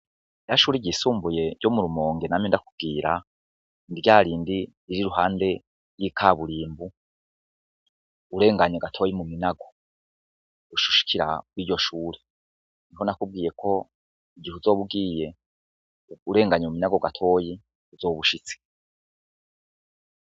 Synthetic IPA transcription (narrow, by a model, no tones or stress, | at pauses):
jaʃuːɾiɟisuːmbuje̞ɟomuɾumo̞ːŋɡenaːmjindakub̚ɡiːɾa | indiɟaːɾiːndiɾiɾiɾuɦaːnde̞ | jiːkʰaβuɾiːmbu | uɾe̞ːŋɡaɲeɡatʰo̞jimuminaɡo̞ | uʃu̥ʃi̥kʰiɾa̰kwiːɟo̞ʃuːɾe | niɦo̞nakub̚ɡiːje̞kʰo̞ | iɟihuzo̞ːβub̚ɡiːje̞ | uɾe̞ːŋɡaɲeuminaɡo̞ɡatʰo̞ːji | uzoːβuʃit͡si̥